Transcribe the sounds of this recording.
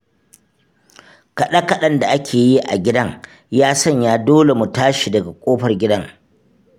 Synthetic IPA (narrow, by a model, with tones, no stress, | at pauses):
kɐ˨ɗɐ˦kɐ˦ɗɐ˦nda˨ʔa˦kʲʰeː˨ji˦ʔa̰˨ɡʲɪ˦dɐ˦ŋ | jaː˦sɐ˦˨ɲjaː˦doː˦le˨mu˨taː˦ʃi˨dɐ˨ɡa˨kʷʼoː˦ɸɐ˨rɡʲɪ˦dɐ˦ŋ